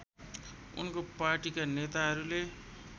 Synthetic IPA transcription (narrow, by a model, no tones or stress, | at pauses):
ṵnkopaɾʈikanet̪aɦʌɾule